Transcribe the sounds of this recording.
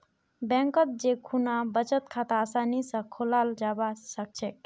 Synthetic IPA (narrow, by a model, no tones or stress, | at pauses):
bɛ̃ŋkət̪̚d͡ʒekʰunabət͡ʃət̪kʰat̪aasanisə̃kʰolald͡ʒabasək̚t͡ʃʰek̚